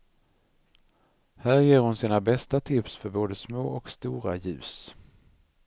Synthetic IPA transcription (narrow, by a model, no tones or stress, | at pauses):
hæːɾjeːɾhʊnsiːnabɛst̪at̪ʰɪpsfœɾboːd̪əsmoːʔɔkst̪uːɾa̰jʉ̟ːs